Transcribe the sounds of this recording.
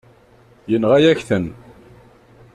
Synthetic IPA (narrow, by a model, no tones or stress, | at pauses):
jənʁæjæçθən